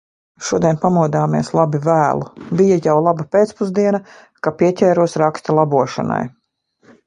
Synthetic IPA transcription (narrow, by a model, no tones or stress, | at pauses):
ʃuɔd̪ʲɛnpamuɔd̪aːmiɛslˠabivæːlˠubijajawlˠabɐpeːt̪spuzd̪iɛnɐ | kapiɛcʲɛːɾuɔsɾakst̪alˠabuɔʃa̰na̰j